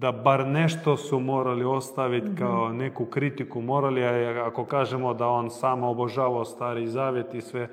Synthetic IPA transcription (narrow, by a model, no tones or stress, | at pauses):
d̪abaɾneʃt̪osumoːɾaliost̪aʋit̪kaonekukɾit̪ikumoːɾaliaiakokaːʒemod̪aonsaːmoboʒaːʋaost̪aːɾizaːʋjet̪isʋe